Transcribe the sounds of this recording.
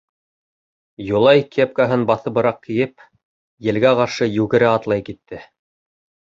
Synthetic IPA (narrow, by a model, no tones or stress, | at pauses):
julˠɑjkep̚kaɦɤnbɑθɤ̆βɤ̆ɾɑq̚kĭjɘp̚ | jɘ̆lɡæqɑɾʃɤjʉɡɘ̆ɾæɑt̪lˠɑjkit̪ːɘ